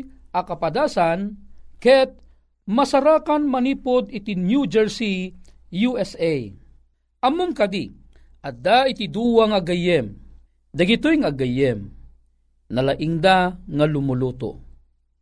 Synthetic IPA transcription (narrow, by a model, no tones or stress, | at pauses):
ʔɐkɐpɐd̪aːsankɛt̪̚ | mɐsɐɾaːkanmɐniːpod̪ɪt̪injud͡ʒɛɹsi | juɛsɛj | ʔɐmʊmkɐd̪i | ʔɐd̪ait̪id̪uwaŋaɡɐjɛm | d̪ɐɡɪt̪ojŋaɡɐjɛm | nɐlaʔɪŋd̪aŋɐlʊmʊluːt̪o̰